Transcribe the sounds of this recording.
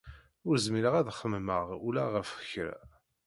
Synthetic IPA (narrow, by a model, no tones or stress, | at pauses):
ʊɾzmiɾəʁæðχəmməʁulæʁəfəçɾæ̰